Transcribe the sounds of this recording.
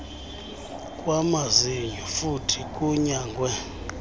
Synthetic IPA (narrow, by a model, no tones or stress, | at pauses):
kʼwamaziɲd͡ʒʱɔfutʰikʼuɲaːŋɡwɛ